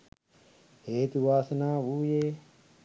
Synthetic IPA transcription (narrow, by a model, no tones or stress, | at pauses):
heːt̪uʋaːsnaːʋuːjeː